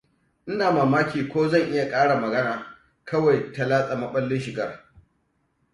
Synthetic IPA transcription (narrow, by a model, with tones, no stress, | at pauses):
ʔɪ˦naː˨maː˨maː˦kʲiː˨kʷoː˦zɐ˦˨ŋʔɪ˦ja˨kʼaː˦ɽa˨mɐ˨ɡɐ˦naː˨ | kɐ˦wa˨jta˨laː˦sʼa˨mɐ˦ɓɐ˦lːɪ˦nʃɪ˨ɡɐ˦r